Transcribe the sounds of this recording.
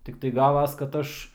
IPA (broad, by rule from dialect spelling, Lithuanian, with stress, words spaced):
tʲɪkˈtɐɪ ˈɡɑːʋɐs kɐt ˈɐʃ